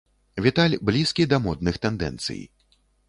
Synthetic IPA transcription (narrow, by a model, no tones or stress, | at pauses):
vʲit̪alʲblʲiskʲid̪ɐmɔd̪nɨxt̪ɛnd̪ɛ̰nt̪sɨ̰j